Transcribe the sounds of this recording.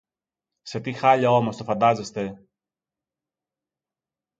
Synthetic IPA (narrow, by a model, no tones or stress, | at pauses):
se̞t̪ixɐʎɐo̞mo̞st̪ofɐnd̪ɐze̞st̪e̞